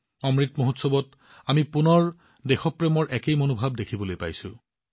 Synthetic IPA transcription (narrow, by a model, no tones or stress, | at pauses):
ɔmɹitmoɦotsɔbɔt | amipunɔɹ | dexɔpɹemɔɹʔɛkejmonubʱab̚dekʰibolojpa̰jsʊ̰